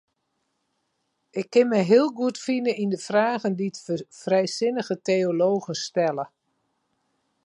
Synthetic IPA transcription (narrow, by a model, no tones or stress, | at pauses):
ɪkʰːɪnmɛjɦɪːəlˠɡuətfinəindəfraːɣənditfrɛjsɪnəɣətejoloːɣənstɛlə